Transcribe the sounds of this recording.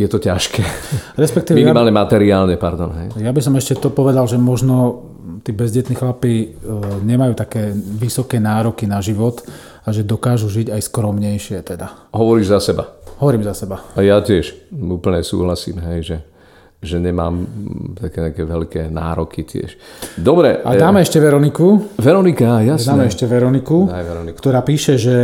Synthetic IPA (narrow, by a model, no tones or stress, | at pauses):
jɛt̪ɔcaʃkɛːɾɛspɛk̚t̪iːɛminimaːlɲɛmat̪ɛɾiaːlɲɛpaɾd̪ɔnɦɛjjabis̬ɔmɛʃcɛt̪ɔpɔʋɛd̪alʒɛmɔʒnɔ | t̪iːbɛzɟɛt̪nixlapiɲɛmajuːt̪akɛːʋisɔkɛːnaːɾɔkinaʒiʋɔt̪ | aʒɛd̪ɔkaːʒuʒiɟajskɾɔmɲɛjʃɪɛt̪ɛd̪aɦɔʋɔɾiːʒzasɛba̰ɦɔʋɔɾiːmzasɛbaajacɪɛʃuːpl̩ɲɛsṵːɦlasḭːmɦɛjʒɛ | ʒɛɲɛma̰ːmt̪akɛːɲɛakɛʋɛlkɛːna̰ːɾɔkicɪɛ̰ʃd̪ɔbɾɛ̰a̰daːmɛɛʃcɛʋɛɾɔnikuʋɛɾɔnikajad̪aːmɛɛʃcɛʋɛɾɔnikuɛɾɔnikkt̪ɔɾaːpiːʃɛʒɛ